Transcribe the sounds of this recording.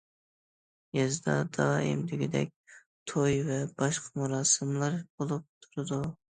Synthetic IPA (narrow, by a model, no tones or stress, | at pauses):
jezd̪ɑd̪ɑːɪ̰md̪ɪɡʲɪd̪ɛ̰k̚ʲ | t̪ʰojvɛbɑʃqʰɑmuɾɑːsɨmlˠɑɾbolˠup̚t̪ʰuɾɨd̪u